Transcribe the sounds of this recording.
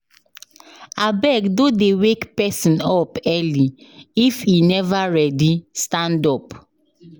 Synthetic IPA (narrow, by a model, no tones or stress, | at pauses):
abɛkdodewekpɛsĩnɔpɛliifinɛvaɹɛdistãndɔp